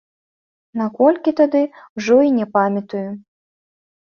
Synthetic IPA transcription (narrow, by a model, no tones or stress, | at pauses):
nakɔlʲkʲit̪ad̪ɨwʐɔinʲɛpamʲɐt̪uju